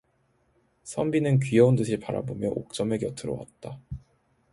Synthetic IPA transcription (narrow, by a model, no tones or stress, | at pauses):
sʰʌmbinɯnkɥijʌundɯɕʰiɭpaɾa̰bomjʌʔok̚t͡ɕ͈ʌmekjʌtʰɯɾo̰wa̰t̚t͈a